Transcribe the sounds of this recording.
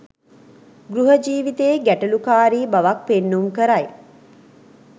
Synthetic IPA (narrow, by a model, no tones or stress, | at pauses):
ɡɾuɦəd͡ʒiːʋit̪eːɡæʈɐlukaːɾiːbaʋak̚penːumkəɾaj